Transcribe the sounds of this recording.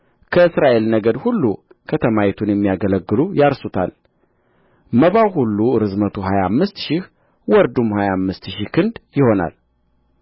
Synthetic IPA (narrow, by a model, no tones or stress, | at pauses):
kʰəɨsɾaʔe̞lnəɡəd̪hulːu | kʰət̪ʰəmajɛt̪ʰunjɛmːijaɡələɡːɨlujaɾsot̪ʰa̰l | məβawhulːuɨɾɨzmət̪ʰuɦajamːɨst̪ʃɪh | wɔɾd̪umhajamːɨst̪ʃikʰɨnd̪jɪho̞na̰l